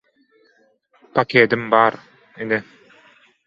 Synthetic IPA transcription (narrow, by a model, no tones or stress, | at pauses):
pakeːd̪imbaːɾ | inɪ